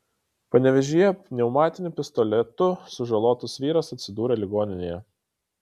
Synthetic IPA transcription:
pɐnʲɛʋʲɛʒʲʊjɛnʲɛʊmɑːt̪ʲɪnʲʊpʲɪst̪ɔlʲɛt̪ʊsʊʒɐlˠoːt̪ʊsʋʲiːɾɐsɐt̪ʲsʲɪd̪uːɾʲɛlʲɪɡoːnʲɪnʲeːjɛ

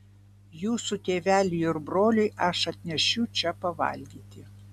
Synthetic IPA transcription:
juːsut̪ʲeːʋʲæːlʲɪjɪɾbɾoːlʲʊjɐʃɐt̪ʲnʲɛʃʲɛʊt͡ʃʲɛpɐʋɐ̰lʲɡ̪ʲiːt̪ʲɪ

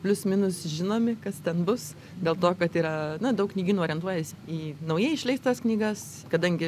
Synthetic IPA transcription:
pʲlʲʊsmʲɪnʊsʒʲɪnoːmʲɪkɐst̪ʲɛnbʊs | d̪ʲeːlˠt̪oːkɐt̪iːɾɐnɐd̪ɐʊknʲiːɡʲiːnuːoːɾʲɛnt̪uɔjɛsʲiːnɐʊjɛɪɪʃʲlʲɛɪst̪ɐsknʲiːɡɐs | kɐd̪ɐŋʲɡʲɪ

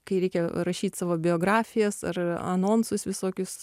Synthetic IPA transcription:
kɐɪɾʲɛɪkʲɛɾɐʃʲiːt̪ʲsɑːʋoːbʲɪoːɡɾɑːfʲɪjɛsɐ̰rɐ̰noːnsʊsʋʲɪsoːkʲʊs

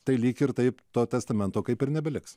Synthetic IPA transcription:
t̪ɐɪlʲiːkʲɪɾt̪ɐɪpt̪oːt̪ʲɛst̪ɐmʲɛnt̪oːkɐɪpɪɾnʲɛbʲɛlʲɪks

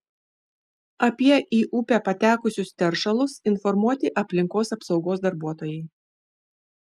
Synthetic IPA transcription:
ɐpʲiɛʔiːʔuːpʲæːpɐt̪ʲæːkʊsʲʊst̪ʲɛɾʃɐlˠʊsɪnfɔɾmuɔt̪ʲɪʔɐpʲlʲɪŋkoːsɐpsɒʊɡoːsd̪ɐɾbuɔt̪oːjɛɪ

